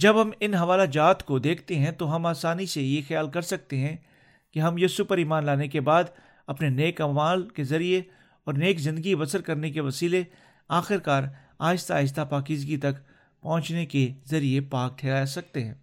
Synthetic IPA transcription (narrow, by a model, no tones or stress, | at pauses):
d͡ʒɐbɦɐmɪnɦɐʋaːlad͡ʒaːt̪kod̪eːkʰt̪eɦɛ̃t̪oɦɐmaːsaːnisejexɐjaːlkɐɾsɐk̚t̪eɦɛ̃ | keɦɐmjesʊpəɾiːmaːnlaːnekebaːd̪ | ɐpneneːkɐʋaːlkezɐɾie | ɔːɾneːkzɪ̃nd̪əɡibɐsəɾkɐɾnekeʋɐsiːle | aːxɪɾkaːɾ | aːɪst̪aːɪs̬t̪apaːkɪzɡit̪ɐk | pɔ̃ɦʊ̃t͡ʃnekezɐɾiepaːk̚ʈʰɛːɾaːjasɐk̚t̪eɦɛ̃ː